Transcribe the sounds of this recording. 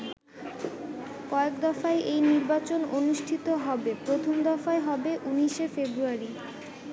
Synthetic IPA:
kɔekd̪ɔfaeʔejniɾbat͡ɕononuʃʈʰit̪oɦɔbepɾot̪ʰomd̪ɔfaeɦɔbeʔuniʃefebɾuaɾi

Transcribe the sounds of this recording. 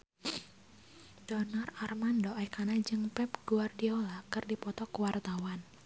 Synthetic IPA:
d̥ɔnararmandɔʔakanad͡ʒɨŋpɛpɡ̥uardiolakɨrdipɔt̪ɔkəwart̪awan

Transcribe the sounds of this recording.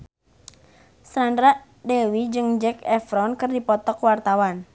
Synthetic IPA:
sandɾaʔ | dewid͡ʒɨŋd͡ʒɛkɛfɾɔnkɨrdipɔt̪ɔkwart̪awan

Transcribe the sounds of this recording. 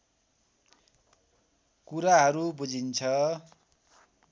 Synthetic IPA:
kuɾaɦʌɾubud͡zʱint͡sʰʌ

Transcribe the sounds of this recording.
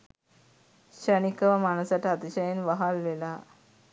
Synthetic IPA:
ɕənikəʋamaɳ̃əsaʈ̪at̪iɕajenʋəɦalʋela

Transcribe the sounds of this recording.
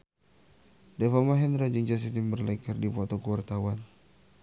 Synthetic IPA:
dɛfamaɦɛnɾad͡ʒiŋd͡ʒas̬it̪imbərlɛkərdipɔt̪ɔkuwart̪awan

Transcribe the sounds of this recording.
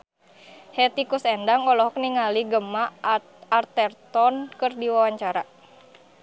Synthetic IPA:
hɛt̪ikusɛndaŋɔlɔɦɔk̚niŋaliɡəma | art̪ɛrt̪ɔnkɨrdiwawaɲt͡ʃaɾa

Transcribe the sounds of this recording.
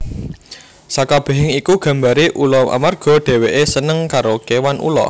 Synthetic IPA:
sakab̥e̤ɦɪŋikuɡ̥ä̤mbaɾiʔulɔʔa̰marɡ̥ɔ̤ɖ̪̥e̤weʔesənəŋkaɾokewanṵlɔ̰

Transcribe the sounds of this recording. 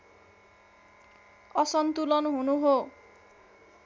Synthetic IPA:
ʌsʌnt̪ulʌnɦunuɦo

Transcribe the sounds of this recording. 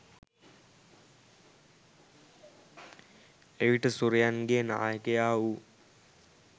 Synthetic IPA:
eʋiʈəsuɾijanɡena̰ːjəkejaːʋu

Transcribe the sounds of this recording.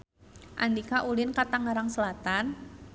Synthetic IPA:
ʔa̰nd̪ikaʔulɪnkat̪aŋaɾaŋsəlat̪an

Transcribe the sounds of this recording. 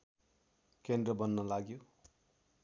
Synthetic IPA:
kend̪rʌbʌnːʌlaɡjo

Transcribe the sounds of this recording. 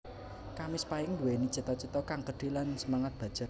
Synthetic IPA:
kamɪspaɪŋnd̪uweni̥t͡ʃət̪ɔt͡ʃət̪ɔkaŋkəɖ̥i̤lansəmaŋat̪̚b̥a̤̥d͡ʒ̥ə

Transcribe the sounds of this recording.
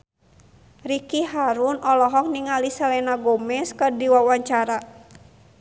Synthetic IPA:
rikiɦaɾunɔlɔɦɔk̚niŋalisalɛnaɡɔmɛskədiwawaɲt͡ʃaɾa

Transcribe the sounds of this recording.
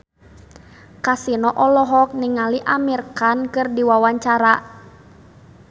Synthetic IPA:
kasinɔʔɔlɔɦɔk̚niŋaliʔamirkankɨrdiwawaɲt͡ʃaɾa

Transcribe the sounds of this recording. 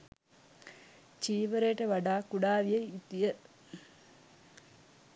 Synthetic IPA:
t͡ʃiːʋəɾejʈəʋɐɖaːkuɽaːʋijejit̪ijə

